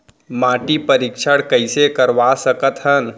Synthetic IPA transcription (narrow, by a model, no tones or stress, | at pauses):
maːʈipəɾikʃʰəɽkəɪsekəɾʋasəkət̪ɦən